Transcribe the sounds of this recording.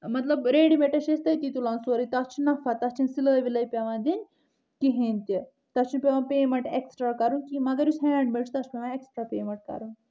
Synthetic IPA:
mɐt̪lɐbɾeːɖimeʈɐʃest̪ɐit̪iːt̪ulãːnsoːɾit̪ɐt͡ʃʰinɐfɐt̪ɐt͡ʃʰinsiləːʋilɐipʲɐʋãːd̪in | kiɦẽnʲt̪i | t̪ɐt͡ʃʰunpʲeʋãːpeːmɐɳʈeksʈɾaːkɐɾũnkimɐɡɐɾjusɦɛːɳɖmelt͡ʃʰt̪ɐt͡ʃʰpʲeʋãeksʈɾaːpeːmɐ̃ɳʈ̚kɐ̰ɾun

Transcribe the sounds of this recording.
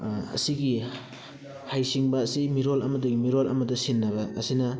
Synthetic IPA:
ɐ̰siɡi | hajsiŋbɐːsimiɾolɐ̰mɐdɐɡimiɾolɐ̰mɐdɐsinːɐβɐʔːsinɐ

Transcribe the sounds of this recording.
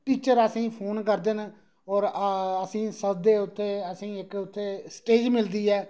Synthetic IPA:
ʈiːt͡ʃəɾəsĩːpʰoːnkəɾd̪eːn | ɔːɾəsĩːsəd̪eːʊt̪ʰːeːəsĩːɪkʊt̪ʰːeːsʈeːd͡ʒmɪld̪iːɛː

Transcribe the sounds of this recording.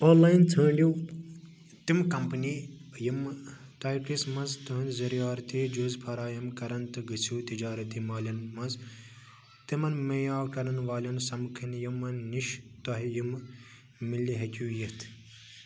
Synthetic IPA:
oːnlaːjnt͡sʰɐːɳɖju | t̪imkɐmpnijim | t̪aːjʈismɐnzt̪uɦɐnzɐɾijaːɾt̪id͡ʒuːzpʰɐɾaːjɐmkɐɾɐnt̪ɨɡɨt͡sʰuːt̪id͡ʒaːɾɐt̪imaːlʲɐnmɐnz | t̪imɐnmɐjaːkɐɾɐnʋaːlʲɐnsɐmkʰɐnjimɐnːiʃt̪ɐɦijim | milːiɦɐt̪ʲuːjit̪ʰ

